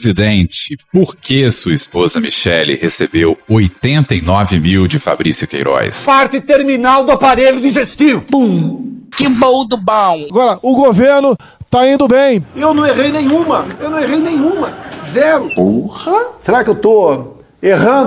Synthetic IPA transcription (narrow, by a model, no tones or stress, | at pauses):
zid̪ẽnt͡ʃɪpoɾkesuɐispozɐmḭʃɛlḭhesebewojt̪ẽnt̪ɐinɔvɪmiwd͡ʒɪfa̰bɾisjʊkḛjɾɔ̰jspaɾt͡ʃɪt̪eɾminawd̪ʊapaɾeʎʊd̪iʒest͡ʃ̪ivʊpũkɪbowd̪ʊbɐ̃w̃aɡɔɾɐʔʊɡoveɾnʊ | t̪aĩnd̪ʊbẽj̃ewnɐ̃w̃eʁejnẽj̃ũmɐewnɐ̃w̃eʁejnẽj̃ũmɐzɛɾʊbohɐseɾakɪewt̪o | eɦɐ̃d̪